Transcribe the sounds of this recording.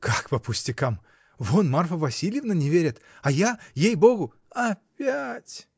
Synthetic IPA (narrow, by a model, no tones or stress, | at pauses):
kakpəpʊsʲtʲɪkam | vonmarfəvɐsʲilʲjɪvnənʲɪvʲeɾʲɪt̪ajajejbo̞ɡʊ | ɐpʲætʲ